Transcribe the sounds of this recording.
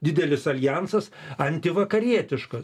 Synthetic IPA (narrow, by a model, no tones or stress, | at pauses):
d̪ʲɪd̪ʲɛlʲɪsɐlʲjænsɐsɐnʲt̪ʲɪʋɐkɐɾʲiɛt̪ʲɪʃkɐs